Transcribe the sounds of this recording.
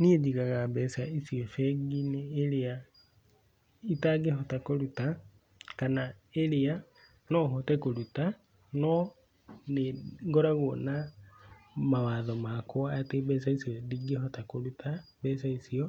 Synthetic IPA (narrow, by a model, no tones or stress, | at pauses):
niɛd͡ʒiɣaɣabɛsaisiɔʃɛɡineːɾea | itaɡeɦɔtakoɾuta | kanaeɾea | nɔɦotɛkoɾuta | nɔ | neɡoɾaɣona | mawaðɔmakwaːtebɛsaisiɔdiɡeɦɔtakoɾuta | bɛsaisiɔ